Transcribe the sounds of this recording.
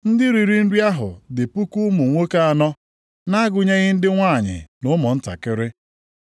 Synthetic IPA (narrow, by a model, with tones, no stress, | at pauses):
n̩˦dɪ˦ɾi˨ɾi˦n̩˦di˦a˦ɦʊ̰˨dɪ˨pu˦ku˦mu˨ŋʷo˦ka˦a˨nɔ˦ | na˦a˦ɡʊ˨ɲe˦ɣɪ˦n̩˦dɪ˦ŋʷaː˦˨ɲɪ̰˨nʊ˦mɔ˨n̩˦ta̰˨kɪ˦ɾɪ˦